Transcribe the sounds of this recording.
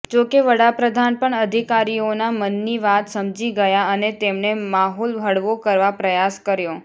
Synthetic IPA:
d͡ʒokeʋəɽapɾəd̪ʱanpəɳəd̪ʱikaɾionamənːiʋat̪səmd͡ʒiɡəjaənet̪emnemaɦɔlʋʱəɽʋokəɾʋapɾəjaskəɾjo

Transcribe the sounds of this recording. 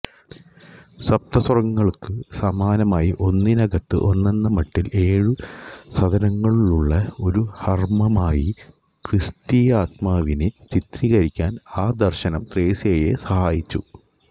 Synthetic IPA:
sɐp̚t̪ɐswrɐŋːɐɭkɨsɐmaːnɐmaːjiʔo̞nːinɐɡɐt̪ːɨ̰ʔo̞nːe̞nːɐmɐʈːile̞ːɻusɐd̪ʱɐnɐŋːɐɭiɭuɭːɐo̞ɾuhɐrmɐmaːji | krist̪iːaːt̪̚maːʋinɨt͡ɕit̪riɣɐɾikʲːaːnaːd̪ɐrɕɐnɐmt̪re̞ːseːjḛsɐhaːjit͡ɕːṵ

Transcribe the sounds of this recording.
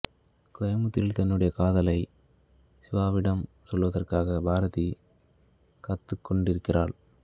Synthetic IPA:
kɔjɐmɯt̪ːɪlt̪ɐnːɯɽɐjɐkaːðɐlɐɪ | sɪʋaːʋɪɽɐm | sɔlʋɐðɐrkaːɣɐbʱaːɾɐði | kɐt̪ːɯkːɔɳɖɪɾɯkːɪra̰ːɭ

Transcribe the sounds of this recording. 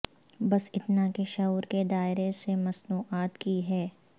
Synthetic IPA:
bɐsɪt̪nakeʃɐuːɾked̪aːɪɾesemɐsnuːʔaːt̪kiɦɛː

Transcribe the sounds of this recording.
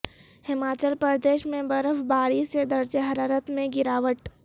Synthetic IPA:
hɪmaːt͡ʃəlpəɾd̪eːʃmẽbɐɾəfbaːɾised̪ɐɾd͡ʒeɦɐɾaːɾət̪mẽɡɪɾaːʋəʈ

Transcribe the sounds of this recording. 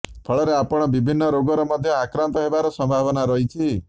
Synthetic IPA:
pʰɔɭɔɾeapɔɽ̃ɔbibʱinːɔɾoɡɔɾɔmɔd̪ʱjɔakɾant̪ɔɦebaɾɔsɔmbʱabɔnaɾɔɦit͡ʃʰi

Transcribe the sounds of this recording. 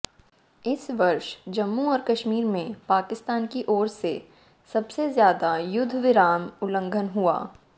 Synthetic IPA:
ɪsʋɐɾʃd͡ʒɐmːuɔːɾkɐʃmiːɾmẽpaːkɪst̪aːnkiʔɔːɾse | sɐbsezjaːd̪ajʊd̪ʱʋɪɾaːmʊlə̃ŋɡʱənɦua̰ː

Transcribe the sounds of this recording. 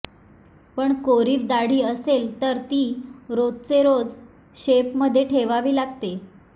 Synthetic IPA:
pəɳkoɾiːʋd̪aɽ̤iːəselt̪əɾt̪iːɾod͡zt͡seɾod͡z | ɕepməd̪ʱjeʈʰeʋaʋiːlaɡt̪e

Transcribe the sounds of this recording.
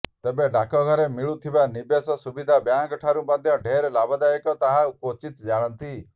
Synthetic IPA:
t̪ebeɖakɔɡʱɔɾemiɭut̪ʰibanibjesɔsubid̪ʱabjaŋkɔʈʰaɾũmad̪ʱjɔɖʱeɾlabɔd̪ajekɔt̪aɦaukot͡ʃit̪d͡ʒaɭ̃ɔnt̪i

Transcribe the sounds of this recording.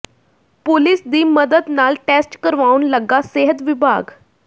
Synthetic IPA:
polisd̪iːməd̪əd̪nalʈesʈkəɾʋaunləɡːaseɦət̪ʋibʱa̰ɡ

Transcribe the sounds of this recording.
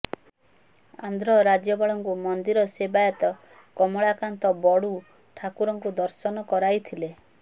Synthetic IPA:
a̰nd̪ʱɾɔɾad͡ʒjɔbaɭɔŋkumɔnd̪iɾɔsebajɔt̪ɔ | kɔmɔɭakant̪ɔbɔɽu | ʈʰakuɾɔŋkud̪ɔɾsɔnɔkɔɾajt̪ʰile

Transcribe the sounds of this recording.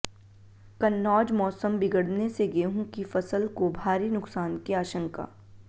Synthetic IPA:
kɐnːɔːd͡ʒmɔːsəmbɪɡəɽneseɡeːɦũkifɐsəlkobʱaːɾinʊksaːnkiaːʃə̃ŋka̰ː

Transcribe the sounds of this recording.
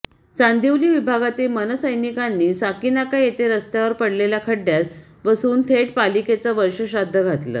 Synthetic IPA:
t͡sand̪iwliːʋibʱaɡat̪iːlmənəsəjnikanːiːsakinakajet̪eɾəst̪jaʋəɾpəɽlelakʰəɽːjat̪ | bəsuːnt̪ʰeʈ̚paliket͡səʋəɾɕəɕad̪ʱːəɡʱat̪lə̰ː

